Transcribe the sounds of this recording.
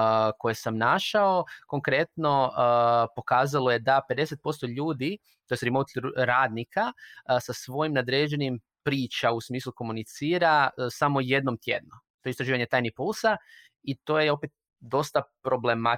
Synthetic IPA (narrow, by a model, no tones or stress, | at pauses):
ko̞jesamnaʃao̞ko̞ŋkɾe̞t̪no̞ | po̞kaːzalo̞jed̪ape̞d̪e̞set̪̚po̞st̪o̞ʎuːd̪i | t̪o̞est̪ɾimowt̪ɾaːd̪nikʰasasʋo̞jimnad̪ɾeːd͡ʒe̞nim | pɾiːt͡ʃausmiːslˠuko̞munit̪siːɾasamo̞je̞d̪nomt̪je̞̰d̪̚not̪o̞eist̪ɾaʒiːʋaɲe̞t̪aːjnipulˠsa | it̪o̞ːjeo̞pet̪̚ | d̪o̞st̪apɾo̞blema